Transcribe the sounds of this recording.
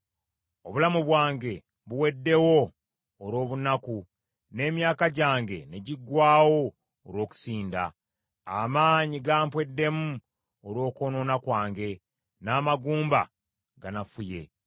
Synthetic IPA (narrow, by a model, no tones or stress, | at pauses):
o̞βulamuβwaːŋɡe̞ | βuwe̞dːe̞wo̞ː | ɾo̞ːβunaku | ne̞ːmjaːkaɟaːŋɡe̞̰ne̞ɟiɡːwaːwo̞ː | ɾwo̞ːku̥siːnda̰ː | maːɲiɡaːmpwe̞dːe̞mu | oɾwo̞ːko̞no̞nakwaːŋɡe̞ | naːmaɡuːmba̰ | ɡanafuje̞̰